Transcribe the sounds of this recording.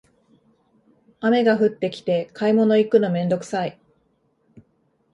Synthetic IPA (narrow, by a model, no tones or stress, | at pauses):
ame̞ɡaɸɯ̟t̪ːe̞kʲi̥t̪e̞kaimo̞no̞ikːɯ̟no̞mẽ̞nd̪o̞kɯ̟̥sai